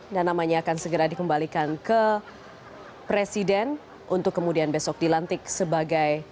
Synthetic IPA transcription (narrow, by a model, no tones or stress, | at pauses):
danːamaɲaːkansəɡəɾadikəmbalikankə | pɾesidɛn | ʔunt̪ʊkːəmudianbesɔk̚dilant̪ɪksəbaɡaj